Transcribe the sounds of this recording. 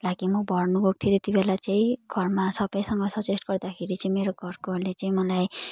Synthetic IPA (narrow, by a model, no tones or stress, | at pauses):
laɡimʌbʱʌrnubʱok̚t̪ʰjit̪et̪ibelat͡saĩɡ̥ʱʌrmasʌbʌjsʌŋɡʌsʌt͡sesʈɡʌrd̪akʰeɾit͡saĩmeɾoɡʱʌrkolet͡saĩmʌlaj